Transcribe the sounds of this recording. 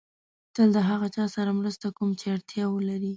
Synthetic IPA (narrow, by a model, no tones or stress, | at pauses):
t̪əld̪əɦaɣat͡ʃɑsaɾamɾəst̪akumt͡ʃeaɽt̪jɑwəlaɾi